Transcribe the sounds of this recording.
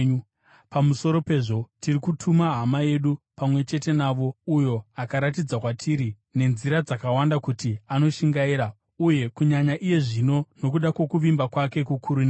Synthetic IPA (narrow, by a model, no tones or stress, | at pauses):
pamuso̞ɾo̞pe̞ʐo̞tirikutʰumaɦamaje̞ɗupamwe̞t͡ʃe̞te̞naʋo̞ujo̞akaɾat̬id͡zakwatʰiɾi | ne̞nziɾad͡zakawandakutiano̞ʃiŋɡaiɾa | uje̞kuɲaɲaʔije̞ʐino̞no̞kuɗakwo̞kuʋimbakwake̞kukʰuɾune